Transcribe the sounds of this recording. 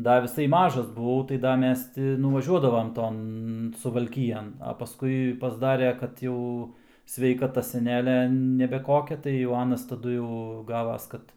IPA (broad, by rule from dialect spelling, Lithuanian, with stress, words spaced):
ˈdɐ ʋʲɪˈsɐɪ ˈmɑːʒɐs bʊˈʋɐʊ tɐɪ ˈdɐ ˈmʲɛs ˈtʲɪ nʊʋɐˈʒʲuɔdɐʋɐm ˈtoːn sʊʋɐlʲˈkʲɪjɛn ɐ pɐˈskʊɪ pɐzˈdɑːrʲɛ kɐt ˈjɛʊ sʲʋʲɛɪkɐˈtɐ sʲɛˈnʲæːlʲɛ nʲɛbʲɛ ˈkoːkʲɛ tɐɪ jɛʊ ˈɑːnɐs tɐˈdʊ jɛʊ ˈɡɑːʋɐs ˈkɐt